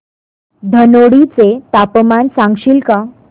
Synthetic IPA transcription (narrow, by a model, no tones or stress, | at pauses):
d̪ʱənoɽit͡set̪apəmansãŋɡɕiːlkã